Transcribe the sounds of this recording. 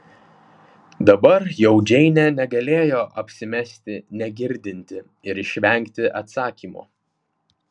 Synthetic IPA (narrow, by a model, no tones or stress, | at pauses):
d̪ɐbɐɾjɛʊd͡ʒʲɛɪnʲɛnʲɛɡɐlʲeːjoːʔɐpʲsʲɪmʲɛsʲt̪ʲɪnʲɛɡʲɪɾʲd̪ʲɪnʲt̪ʲɪ | ɪɾɪʃʲʋʲɛŋʲkt̪ʲɪʔɐt̪sɑːkʲiːmo̰ː